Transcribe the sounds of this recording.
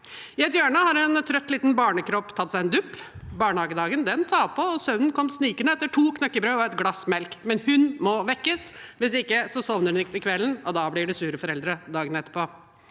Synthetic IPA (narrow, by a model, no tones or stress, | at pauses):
ɪɛt̪jøːɳəhɑɾɛnt̪ʰɾœt̪ːliːt̪nbɑːɳəkʰɾɔpːt̪ʰɑt̪ːsæɪɛnd̪ʉpːbɑːɳəhɑːɡəd̪ɑːɡənd̪ɛnt̪ʰɑːpʰɔɔsœnənkʰɔmsniːkənəɛt̪ːəʈʰuːkʰnɑkːəbɾøːɔɛt̪ɡlɑsmɛlkmɛnhʉnmɔʋɛkːəsʋɪsɪkːəsɔsɔʋnəɾʉnɪkt̪ɪkʰʋɛlːənɔd̪ɑblɪɖɛsʉːɾəfɔɾɛld̪ɾəd̪ɑːɡənɛt̪ːə̥ɾpʰɔː